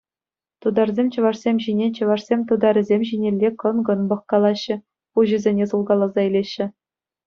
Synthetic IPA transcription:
t̪ud̪ɑrzʲemʲt͡ɕɤ̆ʋɑʂsʲemʲʑinʲet͡ɕɤ̆ʋɑrsʲemʲt̪ud̪ɑɾʲɘ̆zʲemʲʑinʲelʲːekɤ̆nɡɤ̆nbɤ̆χkɑlˠɑɕːɘ̆ | uʑɘ̆zʲenʲesulˠɡɑlˠːɑzɑilʲeɕːɘ̆

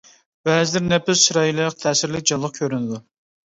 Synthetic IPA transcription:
b̥ɛzɪd̪ɪɾnɛpɪsʃɾɑjilˠɨqt̪ʰɛːsɪɾlɪk̚ʲd͡ʒɑlˠːəqkʲʰøɾynɪd̪u

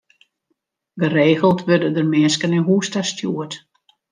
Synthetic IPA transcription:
ɡəreːɣəlˠtʰʋødədərmɪːskənənɦuːstastʰjuət

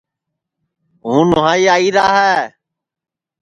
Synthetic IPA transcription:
ɦũːnʊɦãːiːaːiːɾaːɦɛː

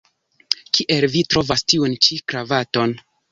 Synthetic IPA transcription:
kiʔe̞lvitɾo̞vastiunt͡ʃikɾavato̞n

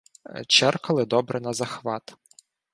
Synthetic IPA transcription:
t͡ʃɛrkɐlˠɪd̪ɔbɾɛnɐzɐxʋɑt̪

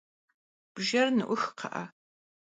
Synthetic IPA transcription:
b̥ʒɐrnɨʔʷʊxqʰɐ̰ʔɐ̰

